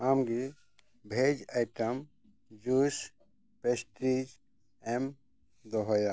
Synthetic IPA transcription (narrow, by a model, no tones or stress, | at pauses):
amɡi | bʱed͡ʒajʈəm | d͡ʒus | pesʈɾid͡ʒ | em | d̪ɔɦoja